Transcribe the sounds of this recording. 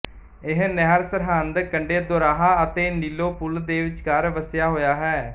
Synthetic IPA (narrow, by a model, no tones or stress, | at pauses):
ɪɦnɛːɾsəɾɦənd̪kəɳɖeːd̪oːɾaːɦaːət̪eːniːloːpʊld̪eːʋɪt͡ʃkaːɾʋəsjaːɦoːjaːɦɛː